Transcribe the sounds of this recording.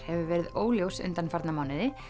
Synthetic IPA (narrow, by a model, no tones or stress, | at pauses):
hɛvʏvɛːɾɪðoːwljowsʏ̰nt̪anfaɾt̪namawnɪðɪ